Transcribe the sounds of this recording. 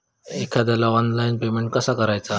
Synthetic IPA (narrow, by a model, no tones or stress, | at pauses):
ekʰad̪jalaʋɔnlajnpemeɳʈ̚kəsakəɾajt͡sa